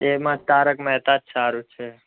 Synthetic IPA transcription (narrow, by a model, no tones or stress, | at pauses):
emãt̪aɾəkmɛɦt̪at̪saɾũt͡ʃʰe